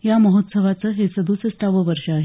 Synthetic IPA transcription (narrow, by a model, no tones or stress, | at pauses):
jaməɦot̪səʋat͡səːɦesəd̪ʱusəst̪aʋəʋəɾʂəaɦe